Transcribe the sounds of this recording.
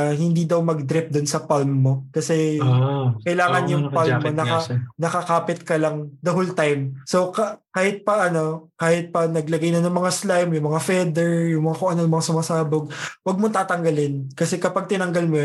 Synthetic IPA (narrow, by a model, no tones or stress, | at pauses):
hɪnd̪id̪ɐwmɐɡ̚d̪ɾɪp̚d̪ʊnsɐpalmːo̞kɐsɛ | kɐjlaːŋɐnjʊŋpalmːonɐkɐnɐkɐkaːpɪt̪̚kɐlɐŋd̪ɐɦolt̪ajmso̞kkaːhɪt̪̚pɐʔɐno̞kaːhɪt̪̚pɐnɐɡlɐɡajnɐnɐŋmɐŋaslajmjʊŋmɐŋafɛd̪ɛɹjʊŋmɐŋakoʔɐnoɐmɐŋasʊmasaːboɡ̚wɐɡ̚mont̪aːt̪ɐŋɡɐlɪnkɐsɛkɐpaɡ̚t̪ɪnɐŋɡɐlmo